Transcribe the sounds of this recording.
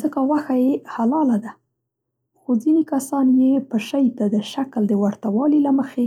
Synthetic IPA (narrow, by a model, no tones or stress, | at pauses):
zəkawaxajehalɑlad̪a | xozinekasɑnjepəʃajt̪ad̪əʃakld̪əwaɾt̪awɑlilaməxe